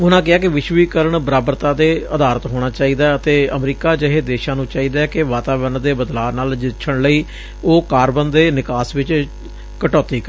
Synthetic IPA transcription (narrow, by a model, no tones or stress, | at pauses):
ʊnãːk̬ɪaːkɪʋɪʃʋiːkəɾəɳbəɾaːbəɾt̪ãːd̪eːəd̪aːɾət̪ɦoːɽ̃aːt͡ʃaːiːd̪aːət̪eːəmɾiːkaːd͡ʒəɦeːd̪eːʃãːnũːt͡ʃaːiːd̪aːɛkɪʋaːt̪aːbəɾnd̪eːbəd̪laːnaːld͡ʒɪtːʃʰəɽləiː | oːkaːɾbənd̪eːnɪkaːsʋɪt͡ʃ | kəʈɔːt̪iːkə